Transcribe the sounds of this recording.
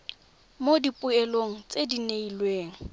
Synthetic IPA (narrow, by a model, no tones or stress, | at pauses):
modipʼʊɛloŋ̩t͡sʼedineilweːŋ̩